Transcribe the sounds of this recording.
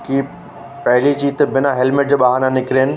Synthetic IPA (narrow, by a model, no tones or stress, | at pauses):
ki | pɛɦlit͡ɕiːt̪ebɪnaɦɛlmɪʈ̚d͡ʑeɓaːɦaːnanɪkɾeːnɪ̆